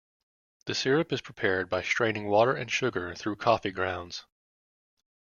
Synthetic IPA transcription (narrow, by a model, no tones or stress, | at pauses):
ðɨsɪɹɨpɨz̥pʰɹ̥ipʰɛɹd̚baɪstɹ̥ẽɪ̃nɪ̃ŋwɔɾə˞ɨ̰̃nʃʊɡə˞θɹʉkʰɔfiɡɹãʊ̃ndz̥